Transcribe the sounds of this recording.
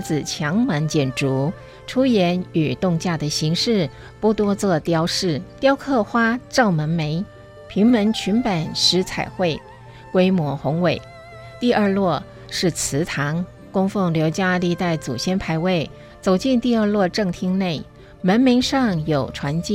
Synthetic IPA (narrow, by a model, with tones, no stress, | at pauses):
t͡sɹ̩˨˩t͡ɕʰjɑ˧˥ŋmə˧˥nt͡ɕjɛ˨˩nʈ͡ʂu˧˥ | ʈ͡ʂʰu˥jɛ˧˥ny˨˩t̪ʊ˥˧ŋt͡ɕja˥˩d̪ə˩ɕi˧˥ŋʂɻ̩˥˧ | pu˥˩t̪wɔ˥t͡swɔ˥˧t̪jɑ˥ʊʂɻ̩˥˩t̪jɑ˥ʊkʰɤ˥˩xwa˥ʈ͡ʂɑ˥˩ʊmə˧˥nme˧˥ɪ | pʰi˧˥ŋmə˧˥nt͡ɕʰy˧˥npa˨˩nʂɻ̩˧˥t͡sʰa̰˨˩ɪxwe˥˩ɪ | kwe˥ɪmwɔ˧˥xʊ˧˥ŋwe˨˩ɪ | t̪i˥˧ʔə˞˥˧lwɔ˥˧ | ʂɻ̩˥˩t͡sʰɹ̩˧˥t̪ʰɑ˧˥ŋ | kʊ˥ŋfɤ˥˩ŋljo˧˥ʊt͡ɕja˥li˥˧t̪a˥˩ɪt͡sṵ˨˩ɕjɛ˥npʰa˧˥ɪwe˥˩ɪ | t͡so˨˩ʊt͡ɕi˥˧nt̪i˥˧ə˞˥˧lwɔ˥˧ʈ͡ʂɤ˥˩ŋt̪ʰi˥ŋne˥˩ɪ | mə˧˥nmi˧˥ɪʂɑ˥˧ŋjo˨˩ʊʈ͡ʂʰwa˧˥nt͡ɕi˥˩